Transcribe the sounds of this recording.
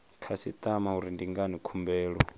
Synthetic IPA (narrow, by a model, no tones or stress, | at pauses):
kʰasit̪ʼamauɾindiŋɡanikʰumbɛːɺɔ